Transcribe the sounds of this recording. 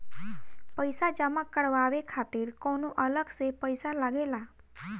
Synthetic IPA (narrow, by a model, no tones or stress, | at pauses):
pəjsad͡ʒamãkːəɽʋaːʋekʰat̪ɪɾkonoʔələɡsepəjsalaɡela